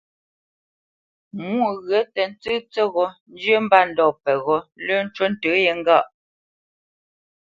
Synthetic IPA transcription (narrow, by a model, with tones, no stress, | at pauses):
mu˦˨ɣɰə˨˦tɛ˨n̩˦t͡sɨ˦t͡sɛ˦ɣɔ˦n˦d͡ʒjə˦m̩˦ba˦˨n̩˦dɔ˨pɛ˨ɣɔ˨˦lə˦n̩˦t͡ʃwə˦n̩˦tə˨˦jɛ˨ŋ̩˦ɡa˦˨ʔ